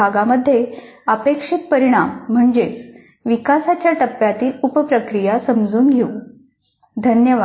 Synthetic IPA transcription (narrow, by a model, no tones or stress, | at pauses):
aɡaməd̪ʱːjeəpekʂik̪̚pəɾiɽ̃am̤ːəɳd͡ze | ʋikasat͡ɕjaʈəpːjat̪iːlupəpɾəkɾijasəmd͡zuːnɡʱeu | d̪ʱənjəʋa